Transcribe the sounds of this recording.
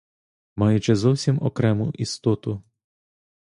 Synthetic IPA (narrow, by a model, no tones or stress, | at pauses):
mɑjʊt͡ʃɛzɔwsʲimɔ̰kɾɛmʊʔist̪ɔt̪ʊ